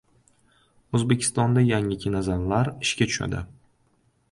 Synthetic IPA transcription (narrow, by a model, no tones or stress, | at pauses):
ɵzbekʲʰɪ̥st̪ɒnd̪ajaŋɪkʲʰɪnazanlaɾɪʃkʲat̪ʰʊ̥ʃa̰d̪ɪ